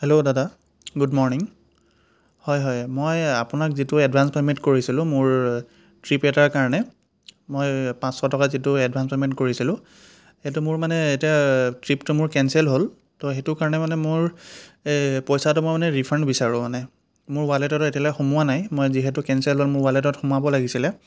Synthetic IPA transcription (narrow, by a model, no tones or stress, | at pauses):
hɛlodada | ɡudmɔɹniŋ | hɔjɦɔjmojapʊnakzitʊɛdbʱanspementkoɹisilʊ̃mʊɹ | tɹipɛtaɹkaɹɔnɛ | mojpãsxɔtɔkazitʊɛdbʱanspementkoɹisilʊ̃ | etʊmʊɹmanɛetiatɹiptʊmʊɹkɛnsɛlɦol | tɔxetʊkaɹɔnɛmanɛmʊɹ | pɔjsatʊmojmanɛɹipʰɛnbisaɹʊ̃manɛ | mʊɹwaletɔtetialɔjxomʊanajmojziɦɛtʊkɛnsɛlɦolmʊɹwalet̬ɔtxomʊabɔlaɡisilɛ